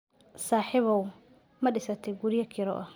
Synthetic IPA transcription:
saːħɪβɐw | mɐɖɪsɐt̪ʰɛɡuɾɪjɐkʰɪɾɔ̰ʔɐ

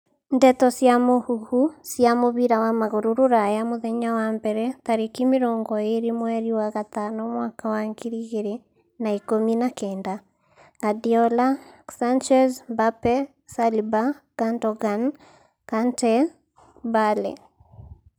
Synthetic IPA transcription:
ndɛtɔsjamohuhusjamoβiɾawamaɣoɾuɾoɾajamoðɛɲawambɛɾɛtaɾekimeɾɔːŋɡɔeɾimwɛɾiwaɣat̪anɔmwakawaŋɡiɾiɣeɾe | naikominakɛːnda | ɡadiɔlasant͡ʃɛzbapɛ | saliba | kandɔɣan | kantɛ | balɛ̰

